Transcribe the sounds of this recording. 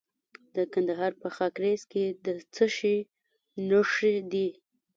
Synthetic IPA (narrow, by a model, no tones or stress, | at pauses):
d̪̥əkand̪aɦɑɾpəxɑkɾesked̪ət͡səʃi | nəʂed̪i